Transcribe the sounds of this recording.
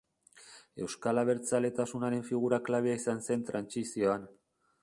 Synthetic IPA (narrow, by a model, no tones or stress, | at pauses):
e̞̰wskalaβ̞e̞ɾt͡sale̞t̪asunaɾe̞ɱfiɣ̞uɾaklaβeaisanse̞nt̪ɾansisio̞an